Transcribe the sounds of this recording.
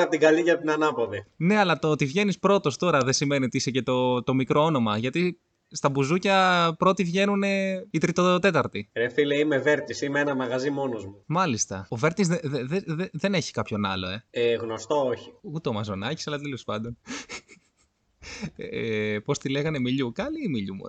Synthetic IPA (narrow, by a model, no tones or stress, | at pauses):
ɐp̚t̪iɡɐliʝɐp̚t̪inɐnɐpoðine̞ɐlɐt̪ot̪ivʝe̞nispɾo̞t̪o̞st̪o̞ɾɐðesime̞nio̞t̪iisece̞t̪o̞t̪o̞mikɾo̞o̞no̞mɐʝɐt̪i | st̪ɐbuzucɐpɾo̞t̪ivʝe̞nune̞it̪ɾit̪ot̪e̞t̪ɐɾt̪iɾefileimeve̞ɾt̪isimeenɐmɐɣɐzimo̞nozmumɐlist̪ɐove̞ɾt̪izðeðeðeðeðe̞neçi̥kɐpço̞nɐ̰lo̞e̞eɣnost̪ooçi̥ut̪eomɐzo̞nɐci̥sɐlɐt̪elo̞spɐnd̪o̞n | epo̞st̪ileɣɐne̞miʎukɐliːmiʎṵmṵ